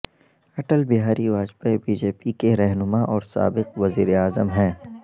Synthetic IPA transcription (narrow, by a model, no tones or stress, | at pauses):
ɐʈəlbɪɦaːɾiʋaːd͡ʒbebiːd͡ʒeːpikeɾɛɦnʊmaʔɔːɾsa̰ːbɪqʋɐziːɾeaːzəmɦɛ̃ː